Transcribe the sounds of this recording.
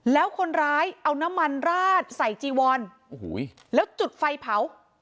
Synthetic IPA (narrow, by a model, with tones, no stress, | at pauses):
lɛː˦˥wkʰo˧nɾaː˦˥jʔa˧wna˦˥mːa˧nɾaː˥˩t̪̚sa˨˩jt͡ɕiː˧wɔː˧nʔo˨hṵː˩˦j | lɛː˦˥wt͡ɕu˨˩t̪̚fa˧jpʰa˩˦w